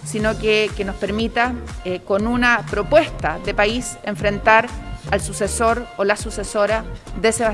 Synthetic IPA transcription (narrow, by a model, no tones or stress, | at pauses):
sinokekenospe̞ɾmit̪ako̞nunapɾo̞pwe̞st̪aðepaiseɱfɾe̞nt̪aɾalsuseso̞ɾolasusesoɾaðeseβa